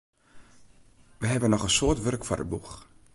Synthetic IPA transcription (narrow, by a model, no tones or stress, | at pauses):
ʋəɦɛbənɔχənsoːtʋørkfʊ̰rə̰bux